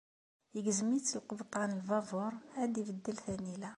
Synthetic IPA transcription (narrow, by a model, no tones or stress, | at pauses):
əɡəzmit͡sːəlqəbt̪ˤɑnəlvɑvʊɾˤhæd̪ibəd̪ːəlθænilæ